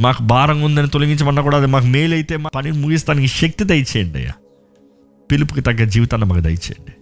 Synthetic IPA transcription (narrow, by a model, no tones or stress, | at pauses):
maːkubaːɾɐŋund̪ɐnit̪olɐŋɡiɲt͡ʃɐmɐnːɐkuːɽaːd̪imaːk̬ume̞ːlɐjit̪e̞ːmapɐninumuɡis̬t̪aːnikiʃɐk̚t̪id̪ɐjt͡ʃeːɐɳɖɐ̰ja̰ | pilupukit̪ɐɡːɐd͡ʒiːʋit̪ɐnːɐma̰ːkud̪ɐ̰jt͡ʃḛːɳɖi